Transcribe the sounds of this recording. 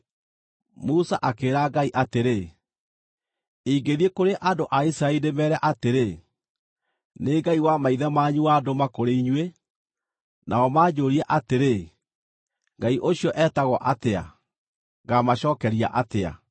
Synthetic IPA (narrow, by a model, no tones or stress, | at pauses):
musaʔakeːɾaɡaiʔateɾe | iɡeðiekoɾeʔadoʔaisɾainemɛɾɛʔateɾe | neɡaiwamaiðɛmaɲuadomakoɾeiɲwe | nʔaɔmaːd͡ʑoːɾiaʔateɾe | ŋɡaiʔoɕiɔʔɛːtaɣwɔʔatea̰ | ɡamaɕɔːkɛɾia̰ʔatea̰